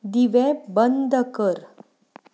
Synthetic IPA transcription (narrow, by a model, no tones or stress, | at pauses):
d̪iʋebənd̪əkəɾ